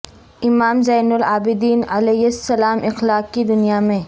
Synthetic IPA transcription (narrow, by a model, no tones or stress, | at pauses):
ɪmaːmzɐːnʊlaːbɪd̪iːnɐleːɦɪsːɐlaːmʔɪxlaːk̚kid̪ʊnijamẽː